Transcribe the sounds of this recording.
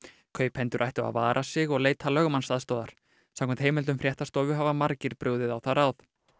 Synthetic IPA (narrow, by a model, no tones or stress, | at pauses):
kʰœːɥphɛnt̪ʏɾʔajht̪ʏɣa̰va̰ːɾʔasɪɣɔɣleːjt̪halœɣmanst̪aðst̪ɔːðaɾ̥ | samkʰɛnt̪hejmɛlʏmfɾjɛht̪ast̪ɔːvʏɦavamaɾcɪɾpɾʏɣðɪðawθaɾawθ